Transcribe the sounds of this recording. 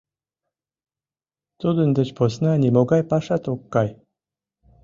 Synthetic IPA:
t̪od̪ɯnd̪ət͡ɕpʰosnanʲimoɡajpaʂat̪okːaj

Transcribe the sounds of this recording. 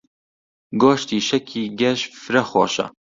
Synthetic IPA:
ɡoːʃt̪iːʃɛkʰiːɡɛʃfɨɾɐxo̰ːʃɐ̰

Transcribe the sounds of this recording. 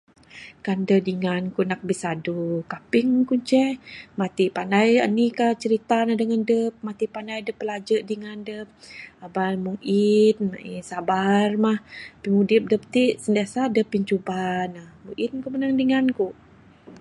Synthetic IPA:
kandəhdiŋankuʔnak̚bisadukapiŋkuɲt͡ʃɛmat̪ipanajanikaht͡ʃəɾit̪anahdəŋandəp̚mat̪ipanajdəpːəlad͡ʒəʔdiŋandəp̚abalmuʔit̪̚ma̰ʔisabarmahpimudip̚dəp̚t̪iʔsəndasadəpːiɲt͡ʃubanahmuʔit̪̚kumənaŋdiŋankuʔ

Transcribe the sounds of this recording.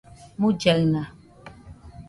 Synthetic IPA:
mud͡ʒɛɣna

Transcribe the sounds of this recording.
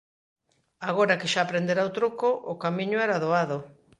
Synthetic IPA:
aɣ̞oɾakeʃaːpɾend̪eɾawt̪ɾokoʔʊkamĩɲʊɛɾaðoaðʊ

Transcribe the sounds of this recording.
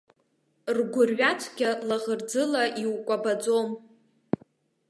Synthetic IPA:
rɡʷʊrɥatʷʰɡʲalaʁərd͡zɨlaʔiwkʷʼabad͡zʼom

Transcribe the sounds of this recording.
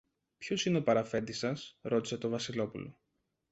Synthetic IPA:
pço̞sine̞o̞pɐɾɐfe̞nd̪isɐsɾo̞t̪i̥se̞t̪o̞vɐsilo̞pulo̞̰

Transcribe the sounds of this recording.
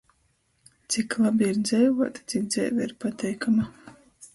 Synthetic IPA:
t̪siklˠabʲiiɾd̪zɛjvuɔt̪ḁt̪sikd̪zɛ̰jvɛiɾpat̪ʲɛjkʰama

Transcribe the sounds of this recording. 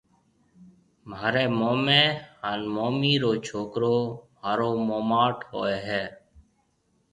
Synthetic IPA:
maːɾeːmoːmeːhaːnmoːmiːɾoːt͡ʃʰoːkɾoːmaːɾoːmoːmaːʈho̰ːeːɦɛː

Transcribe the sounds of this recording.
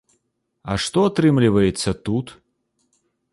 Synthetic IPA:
ɐʂt̪ɔɐt̪ɾɨmlʲɪvəjɪt̪sət̪ut̪

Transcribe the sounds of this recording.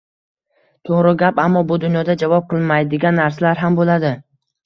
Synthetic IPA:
t̪ʰoʁɾɪɡʲapamːɒbʊd̪ʊnjɒd̪ad͡ʒavɒp̚qʰɨlˠmajd̪ɪɡʲanːaɾsalaɾɦambolad̪ɪ

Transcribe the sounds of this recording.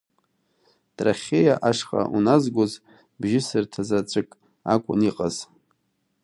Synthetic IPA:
tʼraχʲejaʔaʂχa̰ʔunazɡʷʊz | bʒɪsɨrtʰazat͡ʃʷʼɨkʼ | a̰kʷʼʊniqʼaz̥

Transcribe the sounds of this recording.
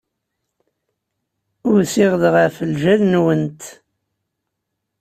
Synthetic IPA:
ʊɾsɪʁðʁæfəlʒælnwənt̪

